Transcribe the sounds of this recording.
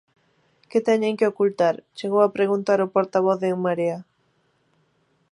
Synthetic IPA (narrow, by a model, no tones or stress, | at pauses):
kɪt̪ɛɲeŋkɪokult̪aɾt͡ʃeɣowapɾeɣunt̪aɾopoɾt̪aβ̞ɔθðemaɾea